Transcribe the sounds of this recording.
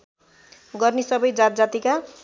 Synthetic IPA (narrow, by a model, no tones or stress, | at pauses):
ɡʌrnisʌbʌjd͡zat̪̚d͡zat̪ika